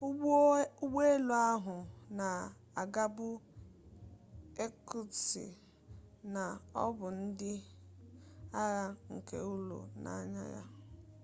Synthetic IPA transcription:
ɡe˦e˦lo˨a˦ɦʊ˨na˨ | a˨ɡa˦bʊ˦ | e˦ku˦sḭ˨ | na˨ɔ̰˦bʊ˨n̩˦dɪ˦ | a˦ɣa˦ŋ̩˨ke˨u˦lṵ˨na̰˦˨˦ɲa̰˦ja̰˦

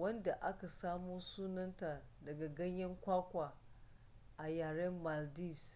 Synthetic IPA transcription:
wɐ˦nda˨ʔa˦ka˨saː˦muː˦suː˦nɐ˦nta˨dɐ˨ɡa˨ɡɐ˦ɲjɐ˦ŋkʷaː˦kʷaː˨ | ʔa˨jaː˨ɽɐ˦mːa˨ldi˦˨s

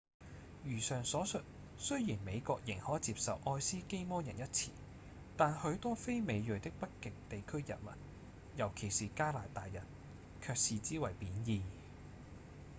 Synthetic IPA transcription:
jyː˨˩sœː˨ŋsɔː˨˥sɵ˨t̚ | sɵ˥ɥjiː˨˩nme˨˧jkɔː˧k̚jɪ˨˩ŋhɔː˨˥jt͡siː˧p̚sɐ˨wʔɔː˧jsiː˥ke˥jmɔː˥jɐ˨˩njɐ˥t̚t͡sʰḭː˨˩ | t̪aː˨nhɵ˨˧˥ɥt̪ɔː˥fe˥jme˨˧jjɵ˨˩t̪ɪ˥k̚pɐ˥t̚kɪ˨ŋ̚t̪e˨jkʰɵ˥ɥjɐ̰˨˩t̚mɐ̰˨n̚ | jɐ˨˩wkʰe˨˩jsiː˨kaː˥laː˨˩t̪aː˨jːɐ˨˩n | kʰœː˧k̚siː˨t͡siː˥wɐ˨˩jpiː˨˥njiː˧

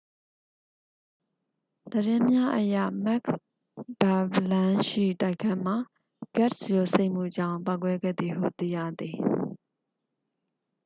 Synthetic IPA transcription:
d̪̥əɾɪ̃˦mja˦ʔəjä̰˦˨mɛ˦˨kʰ | b̥a˨blã˦ʃḭ˦˨ta˦˨ɪkʰɛ˦m̥a˨ | ɡ̥ɛ˦˨t̚sjo˨se˦ɪʔm̥ṵ˦˨d͡ʑã˦˨ʊ̃pa˦ʊkwɛ˦ɡɛ̰˦˨d̪ði˨ɦṵ˦˨t̪ḭ˦˨jä̰˦˨d̪i˨

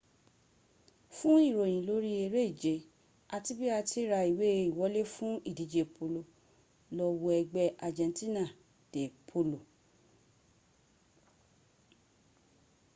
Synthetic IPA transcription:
fũ˦i˦˨ɾo˨j̃ĩ˨lo˨˦ɾi˦e˧ɾe˦i˦˨d͡ʒe˨˦ | a˧ti˦bi˦a˧ti˦ɾa˧i˨we˨˦i˨wɔ˨˦le˦fũ˦i˦˨di˨˦d͡ʒe˨pʰo˧lo˧ | lɔ˧wo˧ɛ˧ɡ͡bɛ˧ʔa˨d͡ʒɛ̃˧nti˦nã˦˨ | d̥e˨pʰo˧˦lo˨

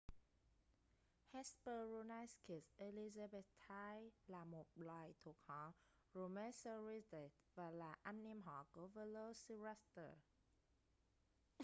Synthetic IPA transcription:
hɛ˦spə˧ɹu˧na˧jski˨seliza˧be˧tt̪ʰːa˧jla˨mo˨p̚la˧˨jt̪ʰu˨˩k̚hɔ˨˦ | ɹo˨mɛ˧sə˧ɹisd̪e˨t̪ | va˨la˨ʔa˧mni˧mɦɔ˨˦ko˨˦və˧lo˧si˧ɹast̪ə̰˨

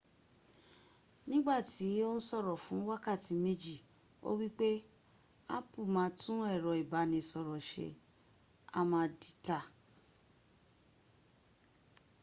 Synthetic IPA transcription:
nĩ˦ɡ͡ba˦˨ti˨˦o˦ñ̩˦sɔ˦˨ɾɔ˨fũ˨˦wa˦ka˦˨ti˨me˦d͡ʒi˦˨ | o̰˦wi˦k͡pe˦ | a̰˦pu˦˨mãː˨˦tũ˦ɛ˦˨ɾɔ˨i˨ba˨˦nĩ˧sɔ˨ɾɔ˨ʃḛ˨ | a̰˧mãː˧˦di˨ta˨

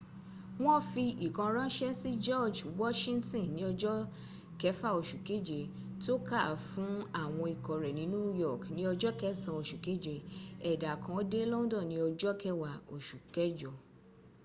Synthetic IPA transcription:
w̃ɔ̃˦fi˧i˨kã˧ɾ̃ã˦ʃɛ˦si˦d͡ʒɔ˦˨d͡ʒwɔ˦ʃĩ˦ntĩ˦˨nĩ˨˦ɔ˧d͡ʒɔ˦ | kɛ˦fa˦˨o˨ʃu˨ke˨˦d͡ʒe˧˨ | to˦ka˦˨fũ˨˦a˦˨w̃ɔ̃˧i˨kɔ˨ɾɛ˨nĩ˨˦nũ˦jɔ˦˨knĩ˨˦ɔ˧d͡ʒɔ˦kɛ˦sã˧o˧˨ʃu˨ke˦d͡ʒe˧ɛ˨da˨kã˨˦o˦de˦lɔ˦ũ˦dɔ̃˦˨nĩ˧˦ɔ˧d͡ʒɔ˦kɛ˦wa˨o˨ʃu˨kɛ˦d͡ʒɔ˨

